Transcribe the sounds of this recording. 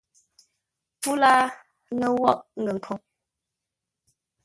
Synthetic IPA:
pu˦la˦ | nə˦wɔ˦˨ʔŋ̩˨ɡə˨ŋ̩˨kʰo˨

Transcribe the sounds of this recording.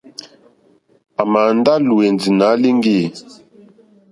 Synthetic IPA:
a˨ma˨n˦da˦lu˨we˨nd͡zi˨na˨˦li˦ŋɡe˦˨

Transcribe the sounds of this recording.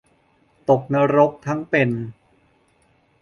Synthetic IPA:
t̪o˨˩k̚na˧˥ɾo˦˥k̚t̪ʰa˦˥ŋpe˧n

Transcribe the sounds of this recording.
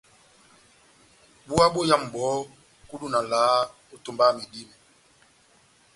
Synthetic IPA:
ɓu˦a˦ɓo˦ja˦˨m̩˨bɔː˨˦ | ku˦ɗu˦na˨laː˨˦ | o˦to˨mba˦mi˨di˦m˨

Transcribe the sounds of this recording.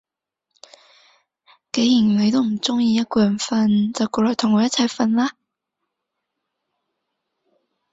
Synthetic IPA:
ke˨˥jiː˨˩nle˨˧jt̪o˥wm̩˨˩t͡sʊ˥ŋjiː˧jɐ˥t̚kɔː˧jɐ˨˩nfɐ˧nt͡sɐ˨wkɔː˧lɔː˨jtʰʊ˨˩ŋːɔː˨˧jɐ˥t̚t͡sʰɐ˧jfɐ˧nlaː˥

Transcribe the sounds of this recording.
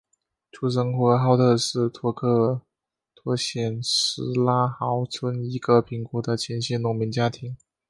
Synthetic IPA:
ʈ͡ʂʰu˧˥˩ʂ̬ɤ˧˥ŋxwɔ˧˥xɑ˥ʊt̪ʰɤ˥˧ʂɻ̩˥˩t̪ʰwɔ˧˥kʰɤ˥˩ | t̪ʰwɔ˧˥ɕjɛ˨˩nʂɻ̩˧˥la˥xɑ˧˥ʊt͡sʰwə˥ni˧˥ɡə˧pʰi˧˥ŋkɔ˧˥d̪ə˧t͡ɕʰjɛ˧˥nɕɛ˥nʊ˧˥ŋmi˧˥ŋt͡ɕja˥t̪ʰi˧˥ŋ

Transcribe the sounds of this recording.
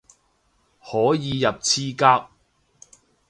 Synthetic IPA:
hɔː˨˥jiː˨˧jɐ˨p̚t͡sʰiː˥kaː˥k̚

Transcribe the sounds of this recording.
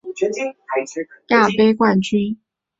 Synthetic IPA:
ja˥˩pe˥ɪkwa˥˩nt͡ɕy˥n

